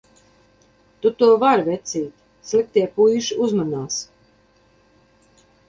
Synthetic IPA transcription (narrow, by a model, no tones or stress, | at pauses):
t̪ut̪uɔvaɾvʲɛt̪sʲiːt̪ʲ | slik̚t̪iɛpujʃuzmanaːs